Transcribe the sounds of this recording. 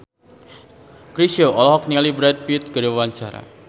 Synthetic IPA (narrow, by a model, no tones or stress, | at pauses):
kɾisioɔlɔɦɔk̚niŋalibɾat̪̚pit̪̚ɡ̥aɾiwawaɲt͡ʃaɾa̰